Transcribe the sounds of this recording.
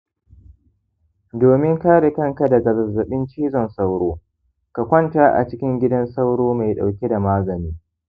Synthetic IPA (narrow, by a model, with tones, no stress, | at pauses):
doː˨mɪ˦ŋkaː˦ɽe˨kɐ˦ŋka˨dɐ˨ɡa˨zɐ˨zɐ˨ɓɪ˦nt͡ʃiː˦zɔ˨nsa˦wɽoː˦ | ka˨kʷɐ˦ntaː˦ʔa̰˨t͡ʃɪ˦kʲɪ˦ŋɡʲɪ˦dɐ˦nsa˦wɽoː˦ma˨jɗa˨wkʲe˦da˨maː˦zɐ˨niː˦